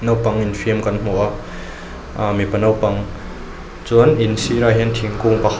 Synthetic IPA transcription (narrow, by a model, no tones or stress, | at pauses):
nɐwpɐŋinfʰiəmkɐnm̥uʔaʔ | mipɐnɐwpɐŋ | t͡suninsiɾaɦint̪ʰiŋkuŋpa